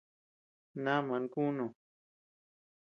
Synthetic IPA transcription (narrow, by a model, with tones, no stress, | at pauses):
nã˦mã˨˧ŋ˦˧ku˦nõ˨